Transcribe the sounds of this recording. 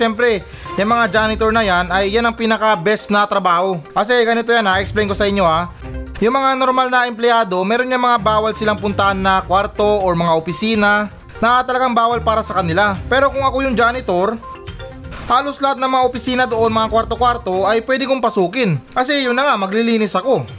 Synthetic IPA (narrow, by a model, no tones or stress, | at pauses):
ɛmpɾɛ | jɐŋmɐŋad͡ʒaːnɪt̪oɹnɐjanɐjːanɐŋpiːnɐkabɛsnɐt̪ɾɐbaːho̞kɐs̬ɛɡɐnɪt̪o̞janaɛksplɛjnko̞sɐʔɪɲːo̞ʔa | jʊŋmɐŋano̞ɾmalnɐʔɛmplɪjaːd̪o̞mɛːɾo̞nɲaŋmɐŋabaːwɐlsɪlaŋpʊnt̪ɐʔanːɐkwaɾt̪o̞ʔoɹmɐŋaʔopɪsiːna | nɐt̪ɐlɐɡaŋbaːwɐlpaːɾɐsɐkɐnɪlapɛːɾo̞kʊŋɐkojʊŋd͡ʒaːnɪt̪o̞ɾ | haːlo̞slɐhat̪̚nɐŋmɐŋaʔopɪsiːnɐd̪o̞ʔo̞nmɐŋakwaɾt̪o̞kwaɾt̪o̞ʔɐjpwɛːd̪ɪkʊŋpɐsuːkɪnkɐsɛjʊnːɐŋamɐɡlɪliːnɪsɐko̞